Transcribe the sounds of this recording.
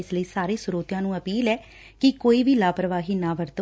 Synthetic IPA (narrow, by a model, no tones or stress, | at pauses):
ɪsləiːsaːɾiːsʊɾoːt̪ɪjãːnũːəpiːlɛː | kɪkoːiːbʱiːlaːpɾəʋaːɦiːnãːʋəɾt̪